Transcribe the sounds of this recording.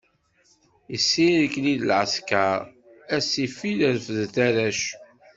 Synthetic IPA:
əsːiɾəkːliðəlʕəskaɾ | æsifiləðfəðθæɾæʃ

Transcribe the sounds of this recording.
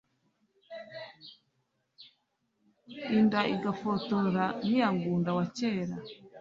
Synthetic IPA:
indaʔiɡafotoɾanijaŋɡuːndawaceːɾa

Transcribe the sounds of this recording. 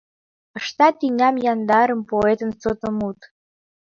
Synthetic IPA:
əʃt̪ɑt̪iŋʲɑmjɑnd̪ɑɾəmpoet̪ənsot̪ə̆mut̪

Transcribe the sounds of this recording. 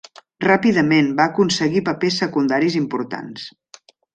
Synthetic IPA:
rapiðəmenbaːkunsəɣipəpesːəkund̪aɾizimpuɾt̪a̰ns

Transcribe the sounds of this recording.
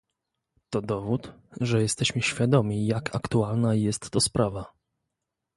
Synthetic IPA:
t̪ɔd̪ɔvut̪ʐɛjɛst̪ɛɕmɘɕfʲjad̪ɔmʲijakʰa̰kt̪ualnajɛst̪ːɔspɾʔava

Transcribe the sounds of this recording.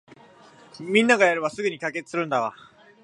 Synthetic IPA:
minːaɡajaɾɯwas͈uɡɯɲikaɡet͈ʰɯɾɯndaɡa̰

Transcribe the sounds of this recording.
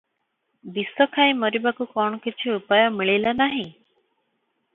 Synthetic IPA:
bisɔkʰajmɔɾibakukɔɳ̃ɔkit͡ʃʰiupajɔmiɭilanaɦĩ

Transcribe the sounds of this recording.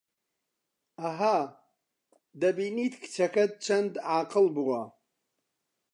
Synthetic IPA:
aɦa | dabinitʰkʰt͡ʃʰakad̚t͡ʃʰandaːqʼəlbwa

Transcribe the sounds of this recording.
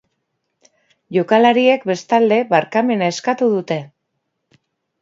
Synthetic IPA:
ʝo̞kalaɾie̞kbe̞st̪ald̪e̞βaɾkame̞nae̞skat̪uðut̪e̞

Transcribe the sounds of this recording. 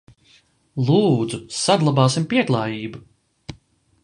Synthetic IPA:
lˠuːd̪zusaɡ̪lˠabaːsimpiɛklˠaːjiːbu

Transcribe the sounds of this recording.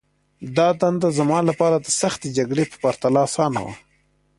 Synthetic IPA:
d̪ɑd̪and̪azamɑlapɑːɾad̪əsaxt̪ed͡ʒaɡɽepə̥paɾt̪alɑsɑːna̰wa̰

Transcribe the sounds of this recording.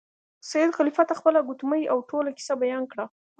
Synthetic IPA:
sajɪd̪xalifat̪axpəlaɡʊt̪məjawʈolaki̥sabajɑnkɽa

